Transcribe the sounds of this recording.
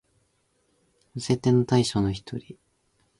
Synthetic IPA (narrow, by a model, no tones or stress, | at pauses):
ɯse̞t̪enːot̪aiɕonoçi̥t̪ʰo̞̰ɾʲi